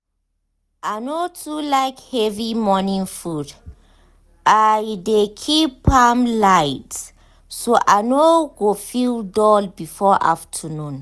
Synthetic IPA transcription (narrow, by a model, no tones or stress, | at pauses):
anotʰulaɪkhɛvimɔnĩŋfud | ʔajdekʰipãmlaɪt | soʔanoɡofildɔlbifɔʔa̰ftʰənũn